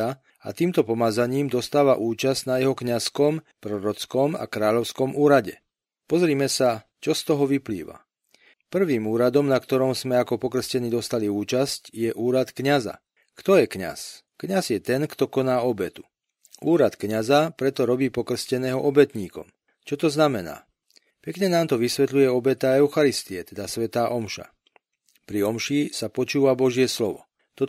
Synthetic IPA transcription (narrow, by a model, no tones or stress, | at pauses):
a | a̰t̪iːmt̪ɔpɔmad͡zaɲiːmd̪ɔst̪aːʋa̰ʔuːt͡ʃazɟnajɛɦɔkɲaskɔm | pɾɔɾɔt͡skɔma̰kɾaːʎɔʊskɔmuːɾaɟɛ | pɔzɾiːmɛsa | t͡ʃɔst̪ɔɦɔʋiplḭːʋa̰ | pr̩ʋiːmuːɾad̪ɔmnakt̪ɔɾɔmzmɛakɔpɔkr̩scɛnid̪ɔst̪aliuːt͡ʃascjɛʔuːɾat̪kɲaza̰ | kt̪ɔjɛkɲa̰s | kɲazjɛt̪ɛnkt̪ɔkɔnaːɔbɛt̪u | uːɾat̪kɲazapɾɛt̪ɔɾɔbiːpɔkr̩scɛnɛːɦɔʔɔbɛt̪ɲiːkɔ̰m | t͡ʃɔt̪ɔznamɛna̰ː | pɛkɲɛnaːmt̪ɔʋisʋɛt̪lujɛɔbɛt̪aɛʊxaɾist̪iɛt̪ɛd̪asʋɛt̪aːʔɔmʃa̰ | pɾiɔmʃisapɔt͡ʃuːʋabɔʒɪɛslɔʋɔ̰ | t̪ɔ